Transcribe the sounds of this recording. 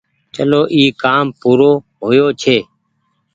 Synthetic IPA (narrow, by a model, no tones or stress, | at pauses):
t͡ʃəloːʔiːkaːmpuːɾoː | ɦoːjoːt͡ʃʰeː